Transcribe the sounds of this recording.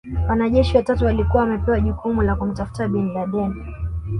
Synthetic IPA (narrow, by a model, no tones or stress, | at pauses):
wanaʄɛʃiwatatuwalikuwaːmɛpɛwaʄukumulakum̩tafu̥taɓinlaɗɛni